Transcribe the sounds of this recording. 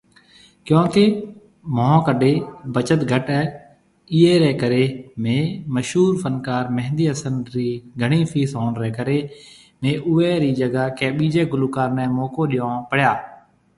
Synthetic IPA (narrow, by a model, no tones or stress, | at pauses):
kjõːkeː | moːõːkəɖʱeːbət͡ʃət̪ɡʱəʈɛː | iːeːɾɛːkəɾeːmẽːməʃuːɾfʰənkaːɾmɛɦnd̪iːəsənɾiːɡʱəɳ̃iːfʰiːsõːnɾɛːkəɾeː | mẽːʔʊːeːɾiːd͡ʒəɡaːkɛːɓiːd͡ʒeːɡʊluːkaːɾnɛːmoːkoːɗɪjõːpəɽjaː